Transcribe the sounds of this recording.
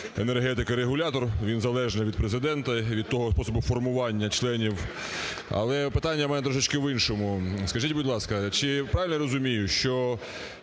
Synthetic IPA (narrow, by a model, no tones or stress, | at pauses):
enerɦɛt̪ɪkɐɾeɦʊlʲat̪ɔrʋʲinzɐlˠɛʒnɪʋʲid̪̚pɾezɪd̪ɛnt̪ɐʋʲid̪̚t̪ɔɦɔspɔsɔbʊfɔrmʊʋɑnʲːɐt͡ʃlˠɛnʲiw | ɐ̰lˠɛpɪt̪anʲːɐmɛnɛd̪ɾɔʒɪt͡ʃkɪʋɪnʃɔmʊskɐʒitʲbʊdʲlˠɑskɐt͡ʃɪpɾɑʋɪlʲnɔɾɔzʊmʲijʊʃt͡ʃɔ